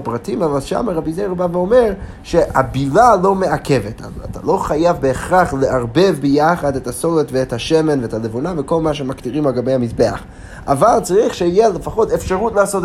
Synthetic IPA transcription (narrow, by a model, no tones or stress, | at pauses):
pʁatimavalʃa̰maʁabizejʁbaveome̞ʁ | ʃehabilalo̞meakʰe̞veta̰a̰ta̰lo̞χajavbeːχʁaχleʔaʁbe̞vbejaχadethasoletveethaʃemenveetalevunaveko̞lmaʃ̬emaktiʁimalɡabe̞jhamisbea̰χ | a̰valt͡saʁiχʃeijelefaχo̞tefʃaʁutleasot